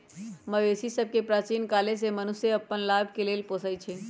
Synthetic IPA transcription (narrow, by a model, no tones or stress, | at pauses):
məʋesisəb̚ʱkepɾaːt͡ʃiːnkaːles̬emənuseəpːənlaːbʱkeleːlpoːsəjt͡ʃʰe